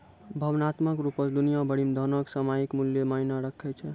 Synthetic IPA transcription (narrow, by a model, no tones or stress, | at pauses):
bʱəʋnat̪məkɾupəsd̪unijabəɽimd̪ʱənəksamaikmuljemaɦinaɾəkʰːɛt͡ʃʰɛ